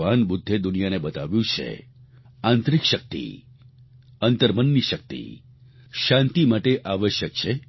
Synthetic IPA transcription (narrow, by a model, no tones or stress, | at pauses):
anbud̪ʱːed̪unijanebət̪aʋjũt͡ʃʰḛ | ãnt̪ɾikʃək̚t̪ḭ | ənt̪əɾmənːiʃək̚t̪ḭ | ʃãnt̪imaʈeʔaʋəʃjək̚t͡ʃʰe